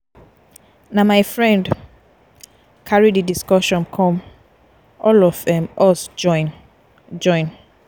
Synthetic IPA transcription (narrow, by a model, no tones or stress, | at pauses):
namajfɹɛ̃nd | kʰaɹididiskɔʃɔ̃nkʰɔ̃m | ʔɔlɔvðɛ̃mʔɔs | d͡ʒɔ̃ɪ̃n